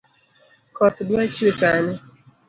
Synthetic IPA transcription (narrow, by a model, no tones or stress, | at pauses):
kɔtdat͡ʃusanɪ